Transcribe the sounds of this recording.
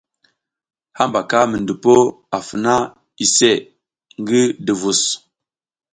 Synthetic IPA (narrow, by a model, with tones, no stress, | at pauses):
ha˦mba˨ka˦mə˨ndu˨po˦ | a˨fə˨na˦ | i˨se˦˨ | ŋ˦ɡi˦də˨vu˨s